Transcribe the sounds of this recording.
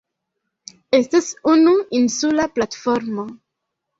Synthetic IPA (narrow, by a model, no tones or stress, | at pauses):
e̞stasunuinsulaplatfoɾmo